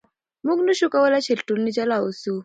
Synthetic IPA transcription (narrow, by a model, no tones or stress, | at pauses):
muknuʃukawɛlat͡ʃʰiltulnit͡ʃalausu